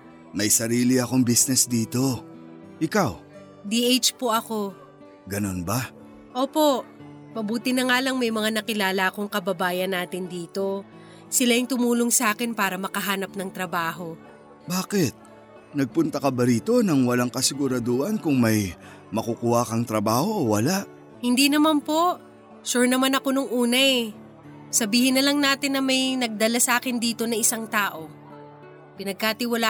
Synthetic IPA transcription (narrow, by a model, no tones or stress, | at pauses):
mɐjsɐɾiːlɪɐko̞ŋbisnɛsd̪iːt̪o̞ | ʔɪkaw | d̪iʔejt͡ʃpo̞ʔɐko̞ | ɡɐno̞nbɐ | ʔo̞ːpo̞ | mɐbuːt̪ɪnɐŋaːlɐŋmɐjmɐŋanɐkɪlaːlɐʔɐkoŋkɐbɐbaːjɐnːaːt̪ɪnd̪iːt̪o̞ | sɪlajɪŋt̪ʊmuːloŋsɐaːkɪnpaːɾɐmɐkɐɦaːnɐp̚nɐŋt̪ɾɐbaːɦo̞ | baːkɪt̪̚ | nɐɡ̚pʊnt̪ɐkɐbɐɾiːt̪o̞nɐŋwɐlaŋkɐsɪɡʊɾɐd̪oːʔɐnkʊŋmɐj | mɐkukuwakɐŋt̪ɾɐbaːho̞ːwɐlaʔ | hɪnd̪iːnɐmanpo̞ʔ | ʃuɹnɐmanɐko̞noŋʔuːnɐʔɛ | sɐbiːhɪnːɐlɐŋnaːt̪ɪnːɐmɐjnɐɡ̚d̪ɐlasɐʔaːkɪnd̪iːt̪o̞nɐɪsaŋt̪aːʔo̞ | pɪnɐɡ̚kat̪ɪwɐla